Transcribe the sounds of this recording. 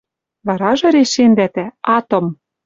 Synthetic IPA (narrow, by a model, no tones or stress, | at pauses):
βɑɾɑʒɤ̆ɾeʃend̪æt̪æɑt̪ŏm